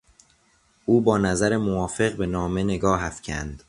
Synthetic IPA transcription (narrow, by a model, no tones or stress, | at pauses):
ʔuːbɒːnæzæɾemovɒːfe̞ɣbe̞nɒːme̞ne̞ɡɒːɦæfcʰæ̰nd̪̥